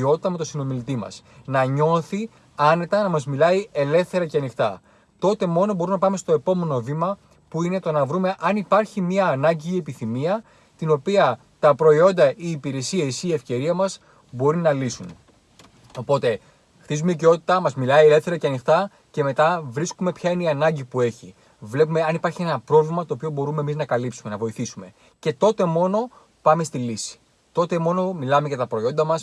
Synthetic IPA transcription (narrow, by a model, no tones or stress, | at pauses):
o̞t̪i̥t̪ɐme̞t̪o̞sino̞milit̪imɐ̰s | nɐɲo̞θi | ɐne̞t̪ɐnɐmɐzmilɐie̞le̞fθe̞ɾɐceɐnixt̪ɐ | t̪o̞t̪e̞mo̞no̞bo̞ɾumnɐpɐme̞st̪o̞e̞po̞me̞no̞vimɐ | puine̞t̪o̞nɐvɾume̞ʔɐnipɐɾçimɲɐːnɐɲɟiːe̞piθimiɐ | t̪ino̞piɐ | t̪ɐpɾo̞io̞nd̪ɐiːpiɾe̞sie̞siːe̞fce̞ɾiɐmɐs | bo̞ɾinːɐlisun | o̞po̞t̪e̞ | xt̪izumeiceo̞t̪it̪ɐmɐzmilɐielefθeɾɐceɐnixt̪ɐ | ce̞me̞t̪ɐvɾiskume̞pçɐineiɐnɐɲɟipue̞çi | vle̞pume̞ɐnipɐɾçie̞nɐpɾo̞vlimɐt̪o̞ːpio̞bo̞ɾumemiznɐkɐlipsume̞nɐvo̞iθisume̞ | ce̞t̪o̞t̪e̞mo̞no̞ | pɐme̞st̪ilisi̥ | t̪o̞t̪e̞mo̞no̞milɐme̞ʝɐt̪ɐpɾo̞io̞nd̪ɐmɐs